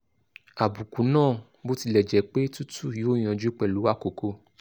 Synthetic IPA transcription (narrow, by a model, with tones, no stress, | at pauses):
a˨bu˨ku˨˦nãː˦˨ | bo˦ti˧lɛ˨d͡ʒɛ˨˦k͡pe˦tu˦tu˦˨jo˦˨j̃ɔ̃˧d͡ʒu˨˦k͡pɛ˦˨lu˨˦a˦˨ko˨ko˧